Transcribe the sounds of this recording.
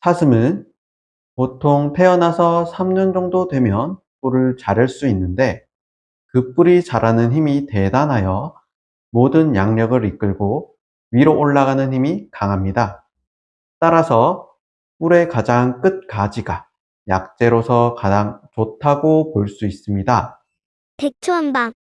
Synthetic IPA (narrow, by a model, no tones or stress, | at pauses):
sʰasʰɯmɯn | potʰoŋpʰe̞ʌnasʰʌsʰamɲʌnd͡ʑʌŋdodwe̞mjʌn | p͈uɾɯɭt͡ɕaɾɯɭs͈uinːɯnde̞ | kɯp͈uɾit͡ɕaɾanɯnçimite̞danɦajʌ | modɯnjaŋɲʌɡɯɾik͈ɯɭɡo | ɥiɾoʔoɭːaɡanɯnçimikaŋɦamɲida | t͈aɾasʰʌ | puɾe̞kad͡ʑaŋk͈ɯt̚kad͡ʑiɡa | jak̚t͡ɕ͈e̞ɾosʰʌkad͡ʑaŋt͡ɕotʰaɡopoɭs͈uis͈ɯmɲida | pek̚t͡ɕʰuanba